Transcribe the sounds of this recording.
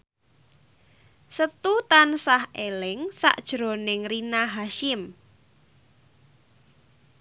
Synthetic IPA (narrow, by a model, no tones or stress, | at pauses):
sət̪ut̪ansahelɪŋsa̰ʔd̥ʒ̥ɾo̤nɪŋrinaɦaʃɪm